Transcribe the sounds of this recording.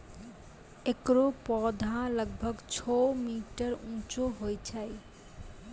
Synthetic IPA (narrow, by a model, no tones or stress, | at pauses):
ekɾopɔd̪ʱãləɡ̚bʱɔɡt͡ɕʰɔwmiʈəɾũt͡ʃoɦojt͡ɕʰaj